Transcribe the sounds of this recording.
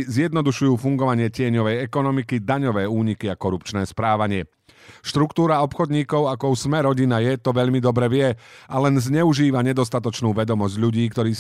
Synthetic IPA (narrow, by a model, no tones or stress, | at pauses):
zjɛd̪nɔd̪uʃujuːfuŋɡɔʋaɲɪɛcɪɛɲɔʋɛjɛkɔnɔmikid̪aɲɔʋɛːuːɲikiakɔɾupt͡ʃnɛːspɾaːʋaɲɪɛ | ʃt̪ɾukt̪uːɾaɔpxɔd̪ɲiːkɔʊakɔusmɛɾɔɟinajɛt̪ɔʋɛʎmid̪ɔbɾɛʋɪɛalɛnzɲɛuʒiːʋaɲɛd̪ɔst̪at̪ɔt͡ʃnuːʋɛd̪ɔmɔzɟʎuɟiːkt̪ɔɾiː